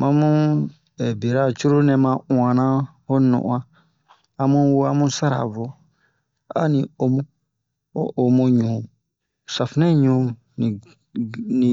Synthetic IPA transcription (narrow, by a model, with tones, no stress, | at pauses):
mʔã˨˦mũ˦ | ɛ˨be˨ɾa˦˨t͡ʃo˦ɾo˦nɛ̃˨mã˧ʔw̃ã˨nã˦ho˦nṵ̃˨ʔã˦ | a˦mũ˦wo˦a˦mũ˦sa˦ɾa̰˨vo˨˦ | a̰˦nĩ˨o˨mõ˦ | o˦ʔo˨mõ˦ɲũ˨ | sa˨fi˨nɛ̃˦ɲũ˨ | ni˨ | nĩ˨